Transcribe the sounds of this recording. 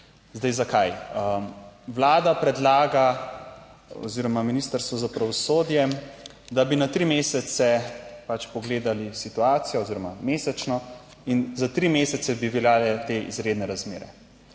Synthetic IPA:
zd̪ɛjzakajəʋlaːd̪apɾɛd̪laːɡa | ɔ̰ziːɾɔmaminist̪əɾst̪ʋɔzapɾaʋɔsoːd̪jɛ | d̪abinat̪ɾimeːsɛt̪sɛpat͡ʃpɔɡleːd̪alisit̪uaːt̪sijɔoziːɾɔma̰meːsɛt͡ʃnɔ | inzat̪ɾimesɛt̪sɛbiʋɛljaːlɛt̪eḭzɾeːd̪nɛɾazmeːɾɛ̰

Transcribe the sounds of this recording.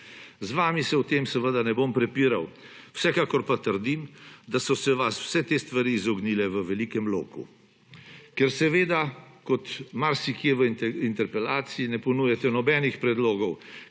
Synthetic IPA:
zʋaːmisɛwt̪eːmsɛʋəd̪anɛbompɾɛpiːɾaw | wsɛkaːkɔɾpat̪əɾd̪imd̪asɔsɛʋasw̥sɛt̪est̪ʋaɾiːzɔɡniːlɛʋəʋɛliːkɛmlo̰ːkṵ | kɛɾsɛʋeːd̪akɔt̪maɾsikjeʋəint̪ɛɾpɛlaːt̪siinɛpɔnuːjɛt̪ɛnɔbɛːnixpɾɛd̪loːɡɔw

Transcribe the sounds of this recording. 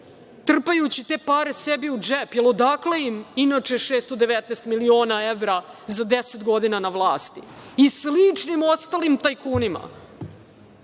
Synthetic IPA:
t̪r̩pajut͡ɕit̪e̞ːpaːɾesebiud͡ʒepjelˠod̪aklejiminat͡ʂeʂeːst̪od̪e̞ʋet̪neːst̪milio̞ːnaeʋɾazad̪eset̪ɡo̞d̪inanaʋlˠaːst̪i̥islit͡ʂnimo̞st̪alimt̪ajkuːnima̰

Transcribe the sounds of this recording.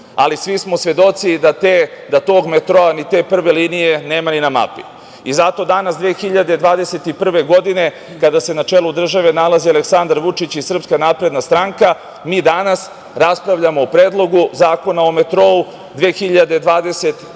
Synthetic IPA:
a̰lisʋismo̞sʋe̞d̪o̞t̪sid̪at̪ed̪at̪o̞ːɡmet̪ɾo̞anit̪e̞ːpr̩ʋe̞liːnije̞ne̞ːmaninama̰pi | izat̪o̞d̪anasd̪ʋeːxiʎad̪ed̪ʋaːd̪ese̞t̪ipr̩ʋe̞ɡo̞d̪ine̞ | kad̪ase̞nat͡ʃelˠud̪r̩ʒaʋe̞nalˠazialeksand̪aɾʋut͡ʂit͡ɕisr̩pskanaːpɾe̞d̪nast̪ɾaŋka | miːd̪anas | ɾaspɾaʋʎamoːpɾeːd̪lˠo̞ɡuzaːko̞naome̞t̪ɾo̞u | d̪ʋeːxiʎad̪e̞d̪ʋaːd̪e̞se̞t̪

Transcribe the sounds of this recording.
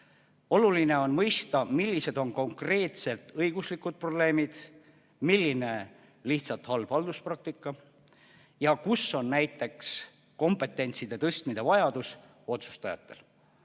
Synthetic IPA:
o̞luline̞o̞nmɤjst̪ɑmilʲːise̞d̪̥o̞nko̞ŋkre̞ːt̪se̞lt̪ɤjɡ̥uslikːud̪̥̚pro̞ble̞ːmid̪̥ | milːine̞ | liht̪sɑt̪hɑlb̥hɑld̪̥usprɑk̚t̪ikːˑɑ | jɑkuso̞nːnæjt̪ːˑe̞ks | ko̞mpːˑe̞t̪ːˑe̞nʲt̪sid̪̥e̞t̪ɤst̪mid̪e̞vɑjɑd̪̥us | o̞t̪su̥st̪ɑjɑ̰t̪ːˑe̞l

